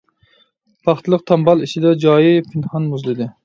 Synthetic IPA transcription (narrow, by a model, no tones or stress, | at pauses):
pʰɑχt̪ɨlˠəq̚t̪ʰɑmbɑlˠiʃʰɪd̪ɛd͡ʒɑːjipʰɪnhɑnmuzlˠɨd̪ɪ